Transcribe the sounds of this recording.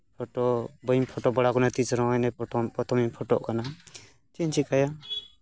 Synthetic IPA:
pʰɔʈɔbəjmpʰɔʈɔbɔɽakɔnat̪it͡ʃɾɔ̃ɔjnɛpɔt̪ʰɔmimpʰɔʈɔʔkana | t͡ʃint͡ʃʰikaja

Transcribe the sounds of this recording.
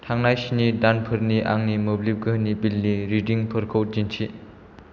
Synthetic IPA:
tʰaŋnajsinidanpʰɯɾniʔaŋnimɯblip̚ɡəɦnibilniɾidiŋpʰɯɾkʰowd͡ʒint͡ʃʰi

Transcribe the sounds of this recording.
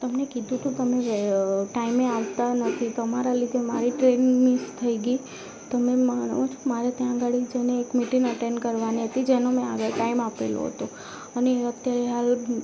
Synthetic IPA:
t̪əmnekid̪ʱũt̪ũt̪əmeʋʈaimeaʋt̪anət̪ʰit̪əmaɾalid̪ʱemaɾiʈɾenmist̪ʰəiɡi | t̪əmemən̰ʋõt͡ʃʰo̥maɾet̪jãɡaɽid͡ʒeneːkmiʈiŋɡəʈeɳkəɾʋaniɦət̪id͡ʒenomɛ̃aʋəʈaimapḛlo̰ɦə̰t̪o | əneət̪jaɾeɦal

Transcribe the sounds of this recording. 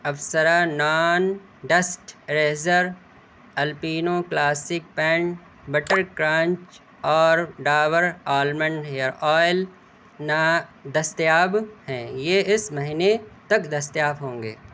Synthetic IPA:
ɐʋsəɾanaːn | ɖɐsʈɾeːzəɾ | ɐlpiːnoklaːsɪk̚pɛ̃ːɳʈ | bɐʈəɾkɾãːɲt͡ʃ | ɔːɾɖaːʋəɾaːlmə̃ɳɖɦejəɾɔːɪl | nad̪ɐst̪jaːbhɛ̃ːjeːɪsmɐɦɪnet̪ɐkd̪ɐst̪jaːbɦõːŋɡḛː

